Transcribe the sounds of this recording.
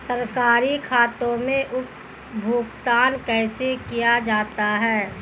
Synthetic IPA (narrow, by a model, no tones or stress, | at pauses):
sɐɾkaːɾikʰaːt̪õmẽʔʊ | bʱuːkt̪aːnkɛːsekijad͡ʒaːt̪aɦɛː